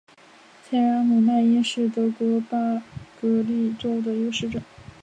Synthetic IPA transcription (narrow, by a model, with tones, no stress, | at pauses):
t͡ɕʰa˥ɪɻa˧˥mu˨˩na˥˩ɪi˥ʂɻ̩˥˩t̪ɤ˧˥kwɔ˧˥pa˥kɤ˧˥li˥˩ʈ͡ʂo˥ʊd̪ə˨jo˥˧ʊʂɻ̩˥˩ʈ͡ʂɤ˨˩˦